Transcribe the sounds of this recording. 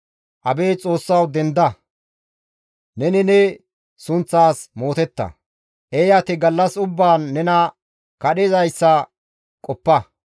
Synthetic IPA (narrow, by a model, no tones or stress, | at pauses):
ʔɐbeːt͡sʼo̞ːsːɐwd̪ɛnd̪ɐ | nɛnɪnɛ | sʊnt͡sːaːsmo̞ːt̪ɛt̪ːɐ̰ | ʔejat̪ɪɡɐlːɐsʊbːaːnːɛnɐ | kɐɗɛzɐjsːɐ | kʼɔpːɐ